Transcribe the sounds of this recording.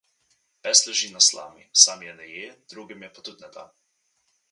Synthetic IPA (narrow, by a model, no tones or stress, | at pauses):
pɛslɛʒiːnasla̰ːmḭsaːmjɛnɛjeːd̪̥ɾuːɡimjɛpɔt̪ut̪nɛt̪a̰